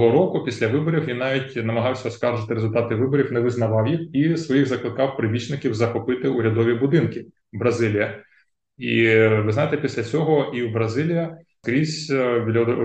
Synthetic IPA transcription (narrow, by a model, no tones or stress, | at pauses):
ɦɔɾɔkʊpʲisʲlʲɐʋɪbɔɾʲiwʋinːɑʋʲitʲnɐmɐɦɑwsʲɐɔskɑrʒɪt̪ɪɾezʊlʲt̪ɑt̪ɪʋɪbɔɾʲiwnɛʋɪznɐʋɑwjixisʋɔjiɣzɐklˠɪkɑwpɾɪbʲit͡ʃnɪkʲiwzɐxɔpɪt̪ɪuɾʲɐd̪ɔʋʲibʊd̪ɪnkɪ | bɾɐzɪlʲijɐ | iʋɪznɑjɪt̪ɛpʲisʲlʲɐt͡sʲɔɦɔiwbɾɐzɪlʲijɐ | kɾʲizʲʋʲlʲ